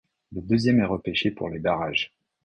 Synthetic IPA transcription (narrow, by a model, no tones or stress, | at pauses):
ləd̪øzjɛmɛʁəpeʃepṵʁlebaʁaʒ